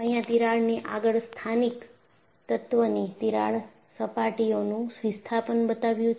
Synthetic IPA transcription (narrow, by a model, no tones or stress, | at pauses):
əɦĩjãt̪iɾaɭniʔaɡəɭst̪ʰanik | t̪ət̪ʋənit̪iɾa̰ɭ | səpaʈionũsʋist̪ʰapənbət̪aʋjũt͡ʃ